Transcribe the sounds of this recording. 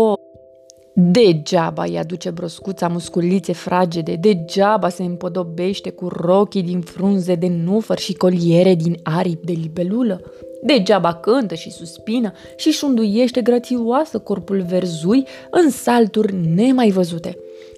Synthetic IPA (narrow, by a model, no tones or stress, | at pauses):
o | d̪e̞d͡ʒaba̰ja̰d̪ut͡ʃe̞bɾo̞skut̪samuskulit̪se̞fɾʔad͡ʒed̪e̞d̪e̞d͡ʒabase̞ɨmpo̞d̪o̞be̞ʃt̪e̞kuro̞kʲid̪infɾunze̞d̪e̞nufərʃiko̞lie̞ɾe̞d̪inaɾip̚d̪e̞libe̞luləd̪e̞d͡ʒabakɨnt̪əʃisuspinə | ʃiʃund̪uje̞ʃt̪e̞ɡɾət̪siasəko̞rpulve̞rzuj | ɨnsalt̪urʲne̞majvəzut̪e̞